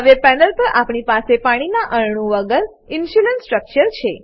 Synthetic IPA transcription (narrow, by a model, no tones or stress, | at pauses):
əʋepɛnəlpəɾʔapɳipasepaɽ̃inaʔəɭɳ̃ũʋəɡəɾ | ɪnʃulənsʈɾək̚t͡ʃəɾt͡ʃʰe